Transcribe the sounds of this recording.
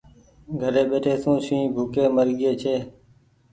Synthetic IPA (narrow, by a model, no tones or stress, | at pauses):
ɡʱəɾeːɓeːʈʰeːsũːʃĩːbʱuːkeːməɾɡɪeːt͡ʃʰeː